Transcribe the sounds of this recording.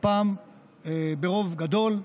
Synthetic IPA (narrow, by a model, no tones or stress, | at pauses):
paːm | ebe̞ʁo̞vɡad̪o̞l